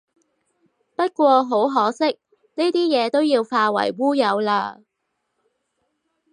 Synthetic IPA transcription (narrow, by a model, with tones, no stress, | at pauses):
pɐ˥t̚kʷɔː˧ɦo˨˥wɦɔː˨˥sɪ˥k̚ | ne˥jt̪iː˥jɛː˨˧t̪o˥wjiː˧wfaː˧wɐ̰˨˩jwuː˥jɐ˨˧wlaː˧˩